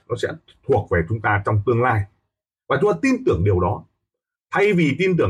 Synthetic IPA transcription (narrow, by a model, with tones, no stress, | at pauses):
nɔ˨˦sɛ̰˧˥ | t̪ʰu˨˩ək̚ve˨˩t͡ɕʊ˨˦ŋ͡mt̪aː˧t͡ɕɔ˧wŋ͡mt̪ɨ˧əŋlaː˧j | vaː˨˩t͡ɕʊ˦ŋ͡mt̪aː˧t̪i˧nt̪ɨ˨˧˩əŋɗi˨˩əwɗɔ˨˦ | t̪ʰa˧jvi˨˩t̪i˧nt̪̬ɨ˧˩ə